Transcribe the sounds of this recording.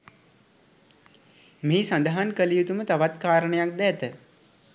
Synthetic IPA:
meːsand̪əɦankəlijut̪umət̪aʋat̪kaːɾəɳəjak̚d̪ɛt̪ə

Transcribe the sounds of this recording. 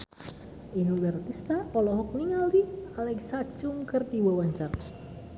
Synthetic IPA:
ʔinuwɛrt̪ist̪aɔlɔɦɔk̚niŋalialɛksḁt͡ʃʊŋkərt̪iwəwaɲt͡ʃar

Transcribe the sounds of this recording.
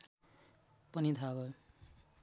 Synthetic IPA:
pʌnit̪ʰabʌ

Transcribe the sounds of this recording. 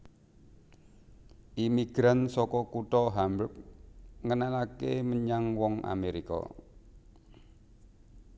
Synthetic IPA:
ʔimiɡ̥ɾansɔkɔkut̪ɔɦambək̚ŋənalakeməɲaŋwɔŋa̰meɾikɔ̰

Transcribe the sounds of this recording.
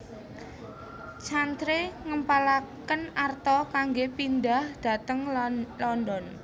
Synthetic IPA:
t͡ʃant̪ɾeŋəmpalakənart̪ɔkaŋɡepind̪ahd̪̥a̤t̪əŋlɔnd̪ɔn

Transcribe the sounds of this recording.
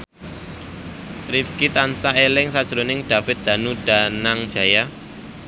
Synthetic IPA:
rifkit̪ansaelɪŋsad̥ʒ̥ɾonɪŋd̪̥ä̤fɪt̪̚d̪̥ä̤nud̥a̤naŋd̥ʒ̥a̤ja

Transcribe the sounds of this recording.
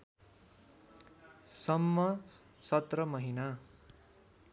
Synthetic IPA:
sʌmːʌ | sʌt̪rʌmʌɦina

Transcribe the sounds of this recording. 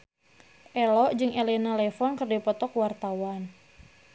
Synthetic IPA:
ʔɛlɔʔd͡ʒɨŋelɛnalɛfɔnkərdipɔt̪ɔkwart̪awan

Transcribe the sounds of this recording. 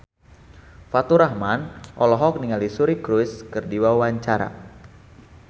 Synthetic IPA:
fat̪uɾahmanʔɔlɔɦɔk̚niŋalisuɾikɾuskərdiwawaɲt͡ʃaɾa̰

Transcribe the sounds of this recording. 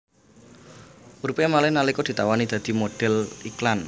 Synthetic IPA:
uɾupemalɛhnalikɔd̪i̤t̪awanid̪̥a̤d̪̥i̤moɖ̥ɛ̤liklan

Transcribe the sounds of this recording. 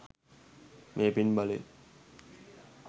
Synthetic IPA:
mʔeːpinbale

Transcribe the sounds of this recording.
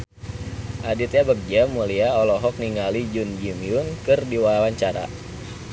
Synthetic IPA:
ʔadit̪ɲabək̚d͡ʒamuliaɔlɔɦɔk̚niŋalid͡ʒund͡ʒimiʊnkɨrdiwawaɲt͡ʃaɾa̰

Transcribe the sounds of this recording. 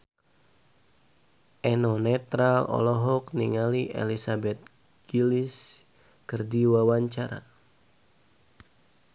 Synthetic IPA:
ʔɛnɔnɛt̪ɾalɔ̰lɔɦɔk̚niŋaliʔḛlisabɛt̪̚ | ɡ̥ilis | kərdiwawaɲt͡ʃaɾa̰

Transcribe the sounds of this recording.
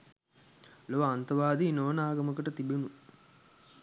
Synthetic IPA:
loʋaːnt̪ɐʋaːd̪inoːnaːɡɐmɐkəʈət̪ibenu

